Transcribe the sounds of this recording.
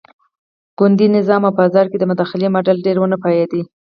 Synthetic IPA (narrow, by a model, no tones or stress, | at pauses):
ɡ̥ʊnd̪inɪzɑmawpəazɑɾked̪əmʊd̪ɑxɪlemoɖalɖeɾwənəpɑjed̪i